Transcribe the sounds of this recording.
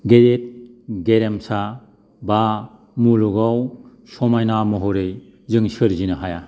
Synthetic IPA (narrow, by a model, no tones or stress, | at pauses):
ɡeɾet̚ɡeɾemsa | ba | muluɡaw | sɔmajnamɔɦoɾej | zɯŋsɯɾzinɯɦaja